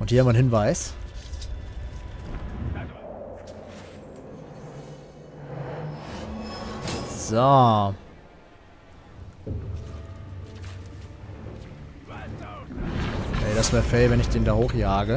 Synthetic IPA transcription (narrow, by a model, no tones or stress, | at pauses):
ʔʊnthiːɐhamvɪɐnhɪnvaɪs | z̥o | ɛːɾasv̥ɛːɐfɛlvɛnɪçd̥eːndaːhoːχjaːɡə